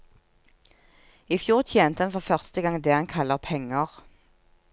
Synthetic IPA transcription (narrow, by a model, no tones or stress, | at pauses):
ifjuːʁt̪ʰjeːnt̪əɑnfɔʁfœʁst̪əɡɑŋd̪eːhɑnkʰɑləʁpʰɛŋəʁ